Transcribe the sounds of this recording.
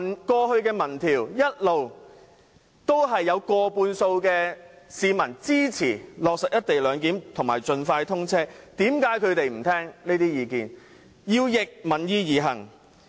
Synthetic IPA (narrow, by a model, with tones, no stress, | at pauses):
nkɔː˧hɵ˧ɥkɛː˧mɐ˨˩nt̪ʰiː˨˩wjɐ˥t̚lo˨w | t̪o˥wɦɐ˨jːɐ˨˧wkɔː˧puː˧nso˧wkɛː˧siː˨˧mɐ˨˩nt͡siː˥t͡sʰiː˨˩lɔː˨k̚sɐ˨k̚jɐ˥t̚t̪e˨jlœː˨˧ŋk̬iː˨˥mt̪ʰʊ˨˩ŋmaː˨˩jt͡ʃɵ˨˧nfaː˧jt̪ʰʊ˥ŋt͡sʰɛː˥t̪iː˨˥mkaː˨˥jkʰɵ˨˧ɥt̪e˨jm̩˨˩t̪ʰɛː˥ŋniː˥t̪iː˥jiː˨˧kiː˨n | jiː˧wjɪ˨k̚mɐ˨˩njiː˧jiː˨˧ɦɐ̰˨˩ŋ